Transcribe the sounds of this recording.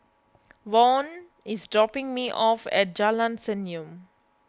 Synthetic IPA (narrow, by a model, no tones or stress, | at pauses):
ʋɔ̃ːn | ɪsɖɹɔpɪ̃ŋmiːʔɔfɛ̰ʈ̚d͡ʒalãnsɛ̃njũm